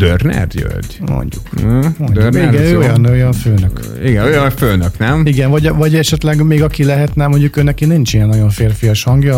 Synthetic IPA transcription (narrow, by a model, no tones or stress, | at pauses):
d̪̥ørnɛ̰d̪jø̰d̪mo̰ɲɟukːmoɲd̪uriɡɛøojɒnojɒnføːnøk | iɡɛojɒnføːnøknɛmiɡɛnvɒɟvɒɟɛʃɛt̪lɛɡmeːɡɒkilɛɦɛt̪nɛmo̞ɲɟukøːnɛkinint͡ʃijɛnːɒɟo̞ɱfeːrfijɒʃhɒŋɡjɒ